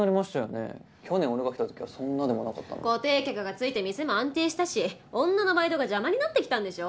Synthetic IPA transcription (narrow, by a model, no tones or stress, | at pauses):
aɾʲimaɕi̥t̪ajonḛ | kʲʰo̞nẽ̞oɾɯɡaki̥t̪at̪o̞kʲiβa̰sõ̞nːad̪emo̞naka̰t̪ːa̰n̰ko̞t̪e̞ːkʲakɯ̟ɡat͡sɨit̪e̞mʲise̞mo̞ãnt̪e̞ːɕi̥t̪aɕiõ̞nːano̞baid̪o̞ɡaʑamaɲ̟inat̪ːe̞kʲt̪ãnd̪e̞ɕo̞